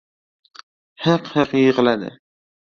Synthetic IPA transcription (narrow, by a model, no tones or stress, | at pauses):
hɑqhɑqjəʁlad̪ɪ̰